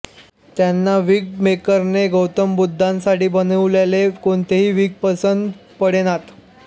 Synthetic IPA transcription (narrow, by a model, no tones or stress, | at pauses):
t̪janːaʋiːɡ̚mekəɾneɡəwt̪əmbud̪ʱːãnsaʈiːbənəʋlelekoɳt̪eɦiːʋiːɡ̚pəsənd̪pəɽenat̪